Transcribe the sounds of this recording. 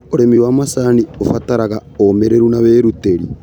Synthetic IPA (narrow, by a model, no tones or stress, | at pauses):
oɾemiwamasaniofataɾaɣaomeɾeɾunaβeːɾuteɾi